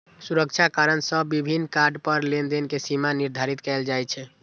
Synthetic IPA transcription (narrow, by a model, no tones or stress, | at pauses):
suɾəkt͡ʃʰakaɾənsəbibʱinːkaɾɖpəɾlend̪enkesimaniɾd̪ʱaɾit̪kɛld͡ʒajt͡ʃʰɛ